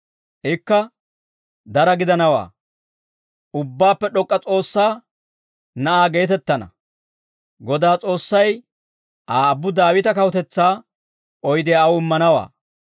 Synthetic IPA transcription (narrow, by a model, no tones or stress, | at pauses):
ʔɪkːɐ | d̪ɐɾɐɡɪd̪ɐnɐwa̰ː | ʊbːaːpːɛɗɔkʼːɐt͡sʼo̞ːsːaː | nɐʔaːɡe̞ːt̪ɛt̪ːɐnɐ̰ | ɡɔd̪aːt͡sʼo̞ːsːɐj | ʔaːɐbːʊd̪aːwɪt̪ɐkɐwɔt̪ɛt͡sːaː | ɔjd̪ɪjaɐwɪmːɐnɐwa̰ː